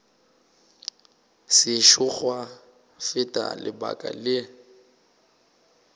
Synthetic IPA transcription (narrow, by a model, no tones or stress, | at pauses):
sɪʃʊk͡xwa | fɪtʼa̰lɪba̰kʼa̰lɪ